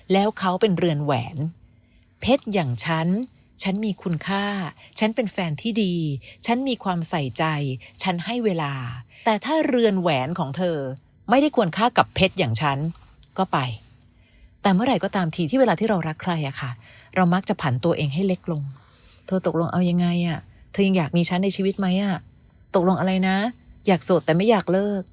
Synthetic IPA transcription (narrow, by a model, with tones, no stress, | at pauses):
lɛː˦˥wkʰa˦˥wpe˧nɾɯ˧ənwɛ̰ː˩˦n | pʰe˦˥t̪̚jaː˨˩ŋt͡ɕʰa˦˥n | t͡ɕʰa˦˥nmiː˧kʰu˧nkʰaː˥˩t͡ɕʰa˦˥npe˧nfɛː˧nt̪ʰiː˥˩diː˧t͡ɕʰa˦˥nmiː˧kʰwaː˧msa˨˩jt͡ɕa˧jt͡ɕʰa˦˥nha˥˩jweː˧laː˧t̪ɛː˨˩t̪ʰaː˥˩ɾɯ˧ənwɛː˩˦nkʰɔː˩˦ŋt̪ʰɤː˧ | ma˥˩jɾa˥˩jkʰu˧ənkʰaː˥˩ka˨˩pʰːe˦˥t̪̚jaː˨˩ŋt͡ɕʰa˦˥n | kɔː˥˩pa˧j | t̪ɛː˨˩mɯ˥˩ɐɾa˧˩jkɔː˥˩t̪aː˧mt̪ʰiː˨t̪ʰiː˥˩we˧laː˧t̪ʰiː˥˩ɾa˧wɾa˦˥kʰla˧jʔa˨˩kʰa˥˩ɾa˧wma˦˥k̚t͡ɕa˨˩pʰa˩˦nt̪u˧ʔeː˧ŋɦa˥˩jle˦˥k̚lo˧ŋ | t̪ʰɤː˧t̪o˨˩k̚lo˧ŋʔa˧wja˧ŋːa˧jʔa˨˩t̪ʰɤː˧ja˧ŋjaː˨˩k̚miː˧t͡ɕʰa˦˥nːa˧jt͡ɕʰiː˧wi˦˥t̪̚ma˦˥jʔa˨˩ | t̪o˨˩k̚lo˧ŋʔa˧ɾa˧jna˦˥jaː˨˩k̚so˨˩t̪ːɛː˨˩ma˥˩jaː˨˩k̚lɤː˥˩k̚